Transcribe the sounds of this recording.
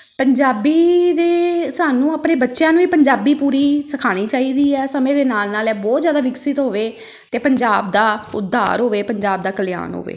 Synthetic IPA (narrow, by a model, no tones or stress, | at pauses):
pəɲd͡ʒaːbiːd̪eːsaːnũːəpɽeːbətːʃjãːnũːiːpəɲd͡ʒaːbiːpuːɾiːsəkʰaːɽ̃iːt͡ʃaːiːd̪iːɛːsəmẽːd̪eːnaːlnaːlɛːbɔːt̪zjaːd̪aːʋɪksɪt̪ɦoːʋeː | t̪eːpəɲd͡ʒaːbd̪aːʊd̪ʱːa̰ːɾɦoːʋeːpəɲd͡ʒaːb̚d̪aːkəlja̰ːnɦo̰ːʋḛː